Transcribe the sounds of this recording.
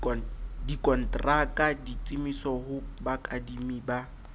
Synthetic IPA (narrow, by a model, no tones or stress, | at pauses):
dikʼɔn̩tʼrakʼadit͡sʼimisɔhʊbakʼadimiba